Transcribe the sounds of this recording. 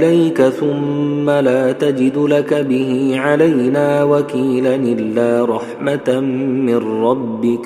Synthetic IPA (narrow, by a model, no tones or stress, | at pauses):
lajkaθʊmːalaːt̪ad͡ʒɪd̪lakabɪɦiːʕalajnaːwakiːlaʔʔɪlːaːɾˤɑħmat̪mɪnɾːˤɑbːɪk